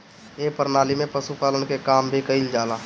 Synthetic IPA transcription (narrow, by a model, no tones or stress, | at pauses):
eːpəɾnaːlimẽpəsupaːlənkekaːmbʱikəɪld͡ʒaːlaː